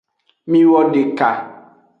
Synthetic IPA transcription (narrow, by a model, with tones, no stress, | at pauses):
mĩ˦wɔ˦ɖe˨ka˨